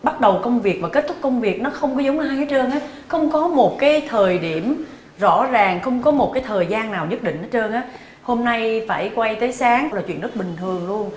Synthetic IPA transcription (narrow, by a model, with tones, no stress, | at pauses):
ɓa˦˥t̚ɗə˨˩wkə˧wŋ͡mvi˨˩ək̚vaː˨˩ke˦˥t̚t̪ʰk͡p̚kə˧wŋ͡mvi˨˩ək̚nɔ˨˦xə˧wŋ͡mkɔ˨˦zə˨˦wŋ͡maː˧jaː˨˦jt͡ɕəː˧nʔaː˨˦ | xə˧wŋ͡mkɔ˨˦mo˨˩t̚kaː˨˦jt̪ʰəː˨˩jɗi˧˩əm | zɔ̰˧˥zaː˨˩ŋxə˧wŋ͡mkɔ˨˦mo˨˩t̚kaː˨˦jt̪ʰəː˨˩jzaː˧nːaː˨˩wɲə˦˥t̚ɗï˧˨ŋ̟ʔa˨˦t͡ɕəː˧nʔaː˨˦ | ho˧mna˧jfaː˧˩jkwa˧jt̪əː˨˦jsaː˨˦ŋlaː˨˩t͡ɕwḭ˧˨ənɨ˦˥k̚ɓï˨˩ŋ̟t̪ʰɨ˨˩əŋlu˧ən